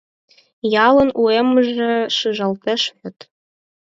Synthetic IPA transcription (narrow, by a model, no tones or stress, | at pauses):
jɑlˠɤ̆nuemɤ̆ʒĕʃɯʒɑ̆lˠt̪ĕʃɘ̆t̪